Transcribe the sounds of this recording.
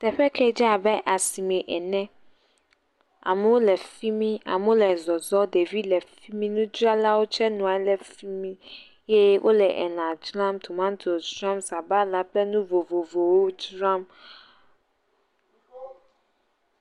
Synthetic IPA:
t̪ɛ˨ɸɛ˦kʰɛ˦d͡ʒi˦a˨bɛ˦ʔa˨si˨mɛ̃˨ʔɛ˨nɛ̃˦ | a̰˨m̃˦wo˦lɛ˨fi˦mĩ˦a̰˨mũ˦lɛ˨zɔ˨zɔ˦de˨vi˦lɛ˨fi˦mĩ˦nũ˦d͡ʒɾa˦la˦wo˦t͡ʃʰɛ˦nũ˨a˨˦lɛ˨fi˦mĩ˦ | jɛ˦wʔo̰˦lɛ˨ʔɛ˨nã˨d͡ʒɾã˦mt̪ʰu˨mã˦n˦tʰo˨sɾã˦msa˨ba˦la˦plɛ˦nũ˦vo˨vo˨vo˨wo˦d͡ʒɾã˦m

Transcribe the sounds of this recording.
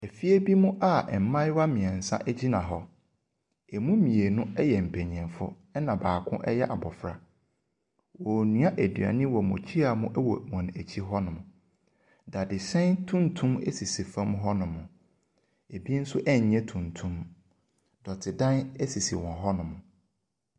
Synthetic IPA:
ɛ˨fi˦e˦bi˦mʊ̃˦ʔa˦ɛ˨m˨˦mã˦jwa˦mĩ˨ɛ̃˨n̩˨sã̰˦ʔæ˦d͡ʑi˦nã˨ɦɔ˦ | ɛ˨mũ˦mĩ˨e˨nʊ̃˦ɛ˦jɛ˨m̩˨pʰæ˨ɲ˨ɛ̃˨nfʊ̰˦ | ɛ˦nã˨baː˨kʰʊ̃˦ʔɛ˦jɛ˦ʔa˨bɔ˨fɾa˨ | wɔ˨nũ˦a˦ʔæ˨dɥa̰˨nɪ̃˦wɔ˨mʊ̰̃˨t͡ɕʰi˦a˨mʊ̃˦ʔɛ˦wɔ̰˨wɔ̃˨n˨æ˨t͡ɕʰi˦ɦɔ˦nʊ̃˨m̃˨ | da˨dɪ˨sɛ̃˦ntʰũ˦ntʰũ˦mḛ˦si˨si˨fã˦m˦ɦɔ˦nʊ̃˨mʊ̃˨ | e˨bi˦n̩˦sʊ˦ʔɛ˦ɲ˨ɲɛ̃˦tʰũ˨ntʰũ˦m | dɔ˨tʰɪ˨dã˦nɛ˦si˨sḭ˨wɔ̃˨ɦɔ˦nʊ̃˨mʊ̃˨

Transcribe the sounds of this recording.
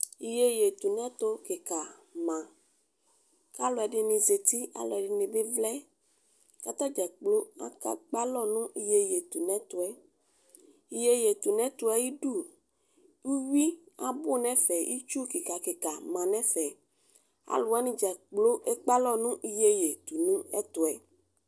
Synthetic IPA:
i˨je˦je˨t̪u˨nɛ̃˦t̪o˦ke˨ka˨mã˨ | ka˦lɔ˨ɛ˨ɖɪ˧nĩ˨ze˨t̪i˦a̰˨lɔ˨ɛ˨ɖɪ˨nĩ˨bɪ˦vlɛ˦ | ka˨t̪ɔ˦d͡ʒɛ˨k͡plo˦a̰˦ka˦k͡pa˦lɔ˦nũ˦ʔi˨je˦je˨t̪u˨nɛ̃˦t̪ʊ˨ɛ˦ | i˨je˦je˨t̪u˨nɛ̃˦t̪ʊ˨ɛ˦ji˦ɖu˦˨ | ŋ̩˦wi˦a˦bʊ˦nɛ̃˦fɛ˨ʔḭ˦t͡ʃu˦ki˨ka˨ke˨ka˨mã˨nɛ̃˦fɛ˨ | a̰˨lʊ˨a˦nĩ˦d͡ʒɛ˨k͡plo˦ʔe˦k͡pa˦lɔ˦nũ˦ʔi˦je˦je˨t̪u˨nũ˦ɛ̰˦t̪ʊ˨ɛ˨

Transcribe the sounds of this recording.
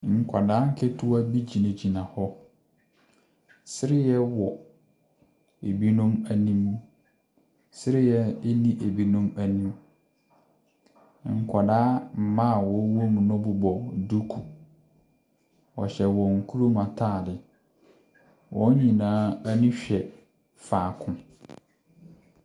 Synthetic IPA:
ŋ̩˨kʷʰa˨daː˦ŋ̩˦kʰɪ˦tʰʊ˦a˦bi˦d͡ʑi˨nẽ˨d͡ʑi˨nã˨hɔ˦ | sɪ˦ɾɪ˦jɛ˦wɔ˨ | e˨bi˦nũ˦mæ˨nĩ˦mũ˦ | sɪ˦ɾɪ˦jɛ˦e˦nĩ˦ʔe˨bi˦nũ˦mæ˨nĩ˦m | ŋ̩˨kʰɔ˨daː˦m̩˨mã˦˨wɔ˨˦wo˦mũ˨nʊ̃˦bʊ˦bɔ˨du˦kʰu˨ | ɔ̰˨ɕɛ˨wɔ˨ŋ̩˨kʰu˦ɾo˦mã˨tʰaː˦˨dɪ˨ | wʔɔ̃˦ɲĩ˨nãː˦æ˦nũ˦ɕᶣɛ˨ | faː˨kʰʊ̃˦

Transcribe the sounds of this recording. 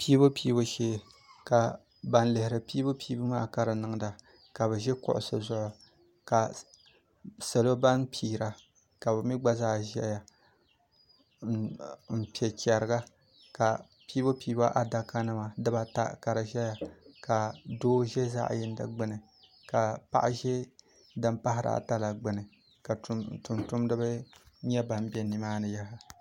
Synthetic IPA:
piː˦bo˦piː˦bo˦ʃeː˦˨ | ka˨ | ba˨nlɪ˨hɪ˨ɾɨ˨piː˦bo˦pʰiː˦bɨ˦maː˦ka˦ɾɨ˨nɨ˦ŋ˦da˨ | ka˨βɛ˨ʒɛ˦kʊ̰˨ʔʊ̰˨so˨zʊ˦ʔʊ˨ | ka˨ | sa˨lo˦ba˦npiː˨˦ɾa˨ | ka˨bɛ˨mi˦ɡ͡ba˦zaː˦ʒɛ̰˦ja˨ | m̩˨pi˨ɛ˨t͡ʃɛ˨ɾɨ˨ɡa˦ | ka˨ | piː˦bo˦piː˦ba˦ʔa˨da˨ka˦nɨ˦ma˨dɨ˦ba˨ta̰˦ka˨ɾɨ˨ʒɛ˦ja˨ka˨doː˦ʒɛ˦za̰˦ʔjɪ˦n˦dɨ̰˨ɡ͡bɨ˦nɨ˨ | ka˨pa̰˦ʔa˦ʒɛ˦ | dɨ˦mpa˦ɦɪ˦ɾa̰˨ta˦la˨ɡ͡bɨ˨nɨ˨ | ka˨˦tʊ˨ntʊ˦mdɨ˦bɨ˦ɲɛ˦ba˨m˦bɛ˦ni˨maː˦nɨ˨ja˦ɦa˦

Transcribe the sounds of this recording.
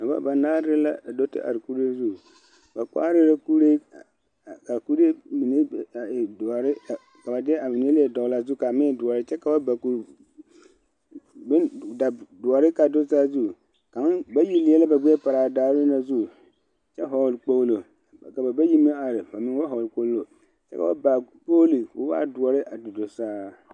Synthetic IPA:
a˨ba̰˦ba˨naː˦ɾɪ˦la̰˦˨do˦tɪ̰˦ʔa̰˨ɾɪ˨ku˦ɾe˦zu˦˨ | ba˨k͡pa̰ː˦ɾɪ˦la˦ku˦ɾe˦˨ | ka˨ku˦ɾe˦mi˨ne˦˨a˨ɪ˨da˨ɾɪ˦˨ | ka˨ba˨dɪ˦ɛ˦a˨mɪ˨n˦e˦li˦ɛ˦dɔ˨˦la˦zu˦˨ka˨mɪ˦˨˦dʊ˨ɔ˨ɾɪ˦t͡ʃɛ˦ka˨ba˦ba˨ku˨ɾ | bɪ˦n˨da˨dʊ˨ɔ˨ɾɪ˦ka˨dʊ˦saː˦zu˦ | ka˨mɪ˦ba˦ji˦li˨˦ɛ˦la˦ba˨ɡ͡bɛ˦ɛ˦pa˨ɾaː˨daː˦ɾɪ˦na˨zu˦ | t͡ʃɛ˦ɦɔ˨lk͡po˦lo˨ | ka˨ba˨ba˦ji˦mi˦a˨ɾɪ˨ba˨mɪ˦ŋ˦wa˦ɦɔ˨ko˦llo˨ | t͡ʃɛ̰˦ka̰˨ba˦ba˨k͡po˦li˨kʊ˦wa̰ː˦˨dʊ˨ɔ˨ɾɪ˦ʔa˨dɪ˨dʊ˨saː˦

